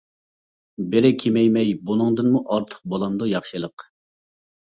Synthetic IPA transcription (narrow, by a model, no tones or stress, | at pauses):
bɪɾɪkʲʰemɛjmɛjbunɨŋd̪ɨnmuʔɑɾt̪ʰə̥χq̚bolˠɑnd̪ujɑχʃɨlˠəq